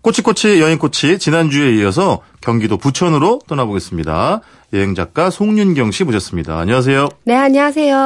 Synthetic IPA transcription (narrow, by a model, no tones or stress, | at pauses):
k͈ʰot͡ɕʰik͈ʰot͡ɕʰijʌɦiŋk͈ʰot͡ɕʰit͡ɕinand͡ʑue̞iʌs̬ʰʌ | kjʌŋɡidoput͡ɕʰʌnɯɾot͈ʌnaboɡe̞s͈ɯmɲida̰ | jeɦeŋd͡ʑak̚k͈asʰoŋɲunɡjʌŋɕʰimoɕʰʌs͈ɯmɲida̰ːɲʌŋas̬ʰe̞jone̞aɲʌŋas̬ʰe̞jo